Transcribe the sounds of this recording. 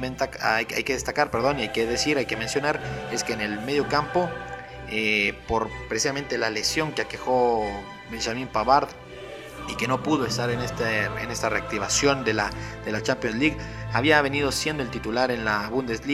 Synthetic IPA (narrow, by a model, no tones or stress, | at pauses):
ent̪akja̰jke̞ðe̞st̪akaɾpe̞ɾðoniajke̞ðe̞siɾajke̞me̞nsjo̞naɾe̞skeːne̞lme̞ð̞jo̞kampo̞ | epo̞ɾpɾesisame̞nt̪e̞lale̞sjo̞ŋkeake̞xo̞ | binʃamĩmpaβaɾð | ike̞no̞puðoe̞st̪aɾenest̪eene̞st̪are̞ak̚t̪iβasjo̞nd̪e̞lad̪e̞lat͡ʃampjo̞nzliɣaβiaβe̞nið̞o̞sjend̪o̞elt̪it̪ulaɾe̞nlaβund̪e̞zli